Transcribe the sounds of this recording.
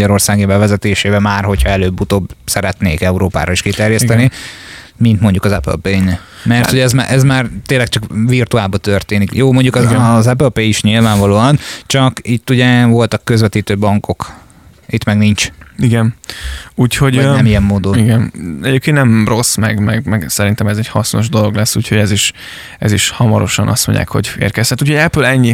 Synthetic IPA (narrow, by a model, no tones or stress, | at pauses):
ɟɒɾo̞rsaːɡibɛvɛzɛt̪eːʃeːbɛmaːrho̞cʰhɒɛløːbːut̪oːbsɛɾɛt̪neːkɛuɾoːpa̰ːɾɒiʃkit̪ɛrjɛstt̪ɛni | mint̪mo̞ɲɟukɒzɛpø̰lpen | mɛrt̪hoɟɛzmaʔɛzmaːrt̪eːnlːɛk̚t͡ʃɒkvirt̪uaːlbɒt̪ørt̪eːnikjoːmo̞ɲɟukzɛpølpeiʃɲilvaːɱvɒloːɒnt͡ʃɒkit̪ːuɟɛvo̞lt̪ɒkːøzvɛt̪iːt̪øːbɒŋko̞k | it̪mɛɡniɲt͡ʃiɡɛnuːcho̞ɟɛmijɛmːoːd̪oniɡɛnɛɟeːp̚keːnnɛmro̞smɛɡmɛɡmɛɡsɛɾint̪ɛmɛzɛchɒsno̞ʒd̪o̞lo̞ɡlɛsːuːcho̞ɟɛziʃ | ɛ̰ziʃhɒmɒɾo̞ʃɒnʔɒ̰st̪moɲɟa̰ːkho̞̰ɟḛːrkɛsɛt̪uːchoɟɛpølɛɲːi